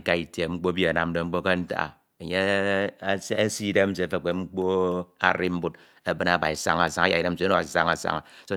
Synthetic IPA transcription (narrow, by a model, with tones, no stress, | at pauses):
ka˦i˨te˨ŋ͡m̩˦k͡po˦bi˦a˨na˨m̩˦do˨ŋ͡m̩˦k͡po˦ka˦n̩˦ta̰˦a̰˨ | e˨ɲe˦ | ssi˦de˦m̩˦s̬e˨˦fe˦˨k͡pe˨ŋ͡m̩˦k͡po˦a̰˨ɾi˦m̩˦bu˦t̚ | e˦bɨ˦na˨ba˨i˨sa̰˦ŋa˨sa˦ŋa˦ja˨i˨de˦m̩˦se˦no˦˨a̰˨sa̰˦ŋa˨sa̰˦ŋa̰˨so˦